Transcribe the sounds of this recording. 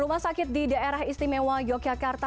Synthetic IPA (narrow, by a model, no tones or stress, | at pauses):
ɾumahsakɪt̪̚didaʔeɾaɦist̪imewad͡ʒɔɡ̚d͡ʒakart̪a